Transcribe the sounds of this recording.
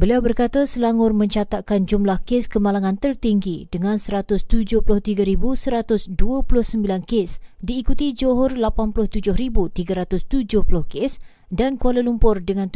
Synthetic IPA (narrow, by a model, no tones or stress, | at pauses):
bəliawbərkat̪asəlaŋʊrmə̃ɲt͡ʃat̪akand͡ʒumlahkeskəmalaŋãnt̪ərt̪iŋɡid̥əŋãnsəɾat̪ʊst̪ud͡ʒʊhplʊht̪iɡaɾibusəɾat̪ʊsduapulʊhsəmbilankesdiːkut̪id͡ʒoɦʊrlapanpulʊht̪ud͡ʒʊhɾibut̪iɡaɾat̪ʊst̪ud͡ʒʊhpulʊhkes | dankualəlumpʊrdəŋãnt̪